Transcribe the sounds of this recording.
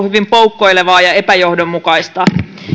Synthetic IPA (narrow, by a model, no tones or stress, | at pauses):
hyʋimpoukːo̞ijleʋɑːjɑepæjo̞hdomːukɑist̪ɑ